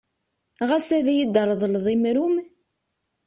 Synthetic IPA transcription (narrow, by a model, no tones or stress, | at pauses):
ʁæsæðæjid̪əɾˤðˤlðˤimɾum